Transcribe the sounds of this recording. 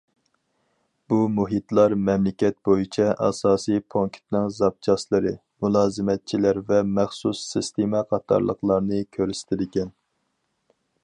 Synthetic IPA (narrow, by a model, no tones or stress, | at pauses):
b̥umuɦit̪lˠɑɾmɛmlɪkʲɛt̪̚bojit͡ʃʰɛʔɑ̰sɑːsijpʰoŋkʲʰt̪nɨŋzɑp̚t͡ʃʰɑslˠɨɾɨ | mulˠɑːzɨmɛt̪̚t͡ʃʰilæɾvɛmæχsusːist̪emɛqʰɑt̪ʰɑ̰ɾlˠə̰qlˠɑɾnɨkʲʰøɾɪst̪ʰɪlɪɡʲɛn